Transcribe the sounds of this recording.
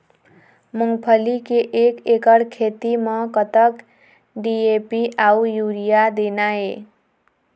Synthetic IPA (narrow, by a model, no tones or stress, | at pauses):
muŋɡpʰʌlikeʔekekʌɽkʰet̪imʌkʌt̪ʌk | ɖiepiʔaujuɾijad̪enae